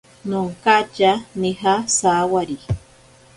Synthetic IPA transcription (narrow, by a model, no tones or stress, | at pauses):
nʊŋkat͡ʃaniɦasawaɾi